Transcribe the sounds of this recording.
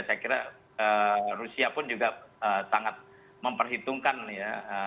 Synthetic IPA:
sajakiɾa̰ | ərusiapʊnd͡ʒuɡaəsaŋat̪̚ | məmpərɦit̪uŋkanjaə

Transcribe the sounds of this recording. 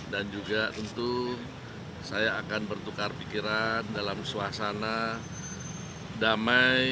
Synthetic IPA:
dand͡ʒuɡat̪ənt̪u | sajaːkanbərt̪ukarpikiɾandalamsuasana | damaj

